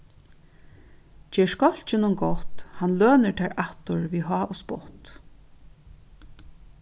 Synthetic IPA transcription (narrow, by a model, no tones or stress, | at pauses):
t͡ɕɛːʂkɔl̥t͡ɕɪnʊŋɡɔht̪hanlœːnɪɹt̪ʰɛːɹaht̪ʊɹviɦɑːʔʊspɔht̪